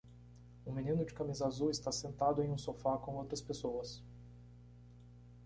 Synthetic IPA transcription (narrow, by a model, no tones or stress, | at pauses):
ũminĩnʊd͡ʒɪkamizɐazuwɪst̪asẽnt̪ad̪ʊẽj̃ũsofakõowt̪ɾɐspesoɐs